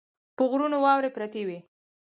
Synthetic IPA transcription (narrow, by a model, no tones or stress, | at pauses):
pəɣɾunowɑwɾepɾat̪ewi